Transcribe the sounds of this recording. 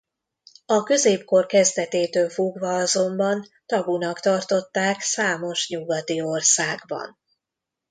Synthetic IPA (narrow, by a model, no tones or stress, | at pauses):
ɒkø̞zeːpko̞rkɛzd̪ɛt̪eːt̪øːlfoɡvɒɒzo̞mbɒnt̪ɒbunɒkt̪ɒrt̪o̞t̪ːaːksaːmo̞ʃɲuɡɒt̪io̞rsaːɡbɒ̰n